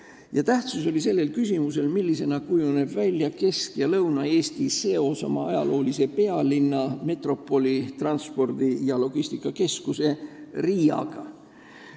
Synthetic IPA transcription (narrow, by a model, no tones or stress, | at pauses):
jɑt̪æht̪suso̞lise̞lːe̞lkysʲimuse̞lmilːise̞nɑkujune̞b̥vælʲjɑke̞skjɑlɤwnɑe̞ːst̪ise̞o̞sɑmɑɑ̰jɑ̰lʔo̞ːlise̞pe̞ɑlinːɑme̞t̪ro̞pːˑo̞lʲit̪rɑnspo̞rd̪̥ijɑlo̞ɡ̥ist̪ikːˑɑke̞skuse̞rijɑ̰ɡ̥ɑ